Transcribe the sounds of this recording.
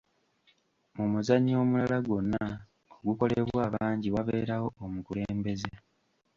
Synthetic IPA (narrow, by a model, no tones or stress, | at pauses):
mumuzaɲo̞ːmulalaɡo̞nːa | oɡuko̞leβwaːβaːɲɟiwaβeːɾawo̞ːmukule̞ːmbe̞ze